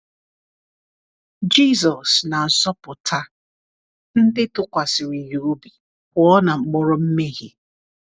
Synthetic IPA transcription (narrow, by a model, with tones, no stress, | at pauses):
d͡ʒi˦zɔ˨sna˨sɔ˦pʊ˨tʰa˦ | n̩˦dɪ˦tʊ˦kʷa˨sɪ˨ɾi˨jo˨o˦bi˨ | ɔ˦na˨ŋ͡m̩˨k͡pɔ˦ɾɔ˦m̩˦me˦ɣi˦